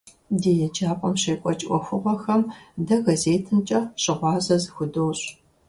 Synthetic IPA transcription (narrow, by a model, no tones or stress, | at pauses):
deːjɛd͡ʒaːpʷʼɔmɕeːkʷʼɔt͡ʃʼʔʷʼɔxʷʊʁʷɔxɐmdɐɣɐzeːtʰɨnt͡ʃʼɐɕʼɪʁʷɑːzɐzɨxʷʊdoːɕʼ